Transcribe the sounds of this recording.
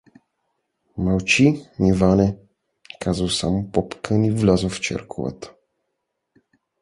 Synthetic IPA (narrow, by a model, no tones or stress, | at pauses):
mawt͡ʃinivanɛ | kazawsa̰mupɔpkənivlʲazoft͡ʃɛ̰ɾkʰuva̰t̪